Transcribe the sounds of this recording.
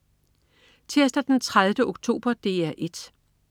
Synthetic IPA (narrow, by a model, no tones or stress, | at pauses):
t͡sʰeɐsd̥æd̥ent͡sʰʁaðˠʋəʔoɡ̥t͡sʰo̝̰ːb̥ɐd̥e̝̰ːæʔe̝d̥